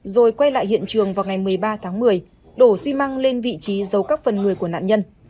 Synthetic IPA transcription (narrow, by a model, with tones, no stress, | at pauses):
zo˨˩jkwa˧jla̰ː˧˨hḭ˧˨ənt͡ɕɨ˨˩əŋvaː˨˩wŋa˨˩jmɨ˨˩əjɓaː˧t̪ʰaː˨˦ŋmɨ˨˩əj | ɗo˧˩swi˧ma˧ŋle˧nvḭ˧˨t͡ɕi˨˦zə˨˦wkaː˦˥k̚fə˨˩nŋɨ˨˩əjku˧˩əna̰ː˧˨nɲə˧n